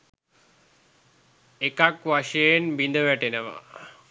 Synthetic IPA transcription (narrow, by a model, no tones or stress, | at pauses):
ekakʋaʂejenbind̪əʋæʈenəʋa̰